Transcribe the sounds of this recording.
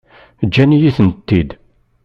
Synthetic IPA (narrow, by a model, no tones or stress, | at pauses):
d͡ʒːænijiθənt̪ːid̪